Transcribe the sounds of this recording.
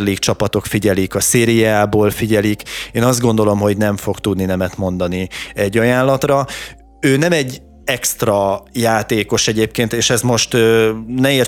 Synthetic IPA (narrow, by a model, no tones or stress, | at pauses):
rliːkt͡ʃɒpɒt̪o̞kfiɟɛlikɒseːɾijaːboːlfiɟɛlikeːnɒzd̪ɡo̞n̪d̪o̞lo̞mɦo̞ɟnɛɱfo̞kt̪ud̪ninɛmɛt̪mo̞n̪d̪ɒniɛɟːɒjaːnlɒt̪rɒ | øːnɛmɛɟː | ɛkst̪rɒjaːt̪eːko̞ʃɛɟeːp̚keːnt̪eːʃɛzmo̞ʃt̪ønɛeːr